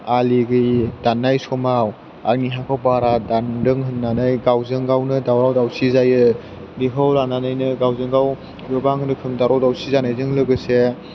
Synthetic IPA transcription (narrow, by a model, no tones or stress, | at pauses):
aliɡɯjdanːajsɔmaw | a̰ɾniɦakʰɔwbaɾadandɯŋɦɯnːanɯjɡawzɯŋɡawnɯdawɾawdawsizajɯ | ɾiɦawlananajnɯɡawzɯŋɡaw | jɯbaŋnɯkʰɯmdawɾawdawsizanajzɯŋlɯɡɯse